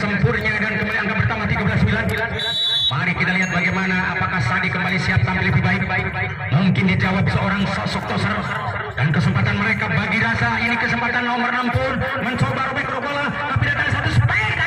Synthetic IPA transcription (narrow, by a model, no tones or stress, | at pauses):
səmpʊrɲadankəmbaliaŋɡapərt̪amat̪iɡablasmbilanbila | maɾikit̪aliɦat̪̚baɡajmanaʔapakahsadikəmbalisiap̚tampɪləbibaɪk̚k̚ | muŋkɪndid͡ʒawap̚səoɾaŋsɔsɔk̚t̪ɔsər | dankəsəmpat̪anməɾekabaɡiɾasainikəsəmpat̪anːɔmərnampʊr | məɲt͡ʃobaɾobɛkɾobola | mapidat̪aŋsat̪usəpa